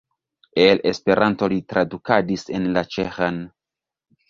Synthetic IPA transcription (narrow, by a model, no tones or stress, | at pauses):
e̞lespe̞ɾʔanto̞litɾadukadise̞nlat͡ʃexan